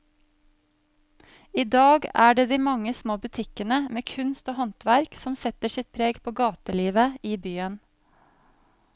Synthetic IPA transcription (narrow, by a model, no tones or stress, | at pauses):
iːd̪ɑːɡæːɖeːd̪iːmɑŋəsmoːbʉt̪ʰɪkənəmeːkʰʉnst̪oːhɔnt̪ʋæɾksɔmsɛt̪əʃɪt̪̚pʰɾeːɡpʰoːɡɑːt̪əliːʋəiːbyːən